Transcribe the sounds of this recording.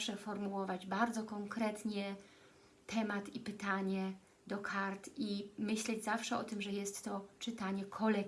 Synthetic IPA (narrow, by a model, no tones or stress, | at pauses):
ʂɛfɔɾmuwɔvad͡ʑbaɾd̪zɔkɔŋkɾɛt̪ɲɛ | t̪ʰɛmat̪ipɘt̪aɲɛ | d̪ɔkʰaɾt̪imɘɕlɛd͡ʑzafʂɛɔ̰t̪ɘmʐɛjɛst̪ːɔt͡ʂɘt̪aɲɛkʰɔlɛ